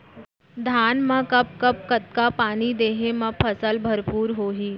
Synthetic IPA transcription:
d̪ʱaːnmãkɐp̚kɐp̚kɐt̪̚kapaːnid̪eːɦemɐ̃pʰəsəlbʱəɾpuːɾɦoːɦiː

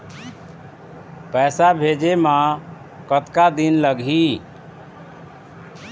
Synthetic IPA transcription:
pɛːsabʱed͡ʒemã | kət̪kad̪inləɡʱi

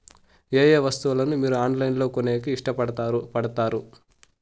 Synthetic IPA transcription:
eːjeːʋɐst̪uulɐnumiːɾuaːɳlɐjinlo̞ːkoneːkiiʂʈɐpɐɽɐt̪aɾpɐɽɐt̪aːɾu

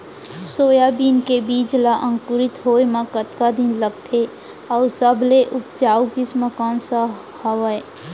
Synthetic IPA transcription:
soːjabiːnkebiːt͡ʃlaʔə̃ŋkʊɾɪt̪ɦoːmãkət̪kad̪ɪnləɡt̪ʰe | ɔːsəbleʔʊpt͡ʃaːukɪsməkaːnsa | həʋəe

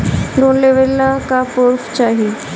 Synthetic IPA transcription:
ɾoːnleʋelːakapoɾft͡ʃaːɦie

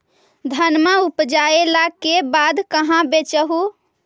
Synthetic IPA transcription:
d̪ʱənmaupd͡ʒaelakebad̪kəɦãbet͡ʃəɦu

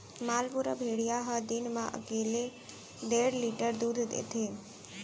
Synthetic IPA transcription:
maːlpuɾəbʱeɽijaɦəd̪inmã̰ʔə̰keːle | ɖeɽliʈəɾd̪ud̪ʱd̪ḛt̪ʰe

